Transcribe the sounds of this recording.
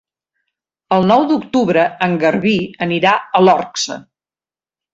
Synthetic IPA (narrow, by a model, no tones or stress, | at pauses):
əlˠnɔwd̪ukt̪uβɾəəŋɡəɾβiəniɾaəlɔrksə̰